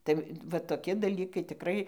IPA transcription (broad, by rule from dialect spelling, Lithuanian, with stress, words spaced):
tɐɪ ʋɐ toːˈkʲɪ dɐˈlʲiːkɐɪ tʲɪˈkrɐɪ